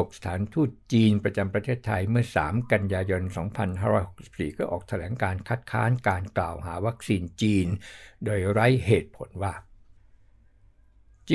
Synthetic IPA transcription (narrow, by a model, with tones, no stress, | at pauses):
k̚sḁ˧t̪ʰaː˩˦nt̪ʰuː˥˩t̪̚t͡ɕiː˧npɾa˧t͡ɕa˧mpɾa˧t̪ʰeː˥˩t̪ʰːa˧jmɯ˥˩ɐsa̰ː˩˦mka˧njaː˧jo˧nsɔː˩˦ŋpʰa˧nhaː˥˩ɾɔː˧˥jho̥˨˩k̚si̥˨˩p̚sḭː˨˩kɔː˥˩ʔɔː˨˩k̚t̪ʰa˧lɛː˩˦ŋkaː˧nkʰa˦˥˩t̪̚kʰa̰ː˦˥nkaː˧nkla̰ː˨˩wɦaː˩˦wa˦˥k̚siː˧nt͡ɕiː˧ndoː˧jɾa˦˥jheː˨˩t̪̚pʰo̰˩˦nwaː˥˩ | t͡ɕi